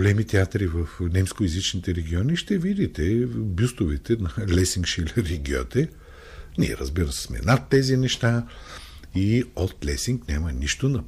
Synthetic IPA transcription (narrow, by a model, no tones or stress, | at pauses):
olɛmit̪ɛat̪ɾivɐfnɛmskoizit͡ʃnit̪ɛɾɛɡʲiɔniʃt̪ɛvid̪it̪ɛbʲjust̪ʊvɛt̪ɛnɐlɛsiŋkʃilʲɛɾiɡʲiɔ̰t̪ɛ | nḭɛ̰ɾə̰zbiɾəsɛ̥smɛ̰nat̪ːɛzinɛʃt̪a | iot̪lɛsiŋknʲamɐniʃt̪onɐ